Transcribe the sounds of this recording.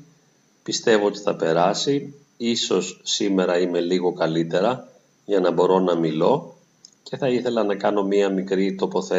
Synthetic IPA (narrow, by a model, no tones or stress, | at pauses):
pist̪e̞voot̪i̥θɐpe̞ɾɐsi | iso̞sːime̞ɾɐime̞liɣo̞kɐlit̪e̞ɾɐ | ʝɐnɐbo̞ɾo̞nɐmilo̞ | ce̞θɐiθe̞lɐnɐkɐno̞miɐmikɾit̪o̞po̞θe